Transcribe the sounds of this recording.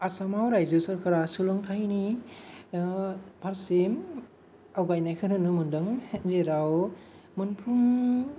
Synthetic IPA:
asamawɾajzɯsɯɾkʰɯɾasulɔŋtʰajni | pʰaɾsem | awɡajnajkʰɯnɯnɯmɯndɯŋzeɾaw | mɯnpʰum

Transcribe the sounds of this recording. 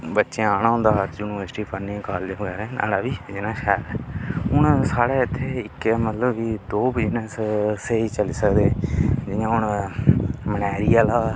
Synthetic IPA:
bətːʃẽaːñãːɦʊ̃nd̪aːjuːnɪʋəɾsʈiːpəɾnĩkaːld̪eːɡɛːɾɛ̃ːnʔa̰ːɽaːbiːd͡ʒɪnãːʃɛːɾɛːɦʊɳsaːɽeːɪt̪ʰːeːɪkɛːmət̪ləbiːd̪oːbɪd͡ʒnəsseːiːt͡ʃəliːsəkd̪eːd͡ʒɪjãːʊɳ | mənɛːɾiːaːlaː

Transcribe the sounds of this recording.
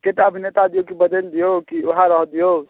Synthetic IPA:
ket̪aəbʱinet̪ad̪ijokibəd̪eld̪ijokioɦaɾəɦd̪ijo

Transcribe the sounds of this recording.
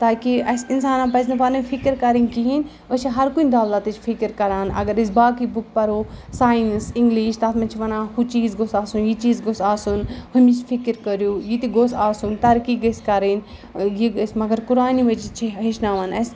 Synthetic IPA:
t̪aːkiɐsinsaːnãːpɐz̬nɐpɐnɐfʰikəɾkɐɾinkiɦin | ɐt͡ʃʰiɦɐɾkunʲd̪aːld̪at̪it͡ʃʰfʰikəɾkɐɾaːnɐ̰ɡɐɾis̬baːkibuk̚pɐɾoːsaːjinsɪŋɡliːʃt̪aːt̪mɐnt͡ʃʰiʋɐnãːhut͡ʃiːzɡosaːsunjit͡ʃiːzɡosaːsunhɐmit͡ʃʰfʰikiɾkɐɾjuːjit̪iɡosaːsunt̪ɐɾkiːɡɐskɐɾin | jiɐsmɐɡɐɾkuɾaːniʋɐt͡ʃit͡ʃʰiɦiʃnaːʋɐːnɐs

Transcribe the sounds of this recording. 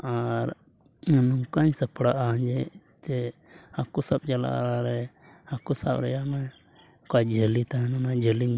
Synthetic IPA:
aɾ | nuŋkaɲsəpʰɽaʔaɲd͡ʒɛ | t̪ɛ | akusab̚t͡ʃala̰ʔɾaɾɛ | akusa̰bɾɛjamɛ | kad͡ʒʱəlit̪aɦɛnunad͡ʒəliɲ

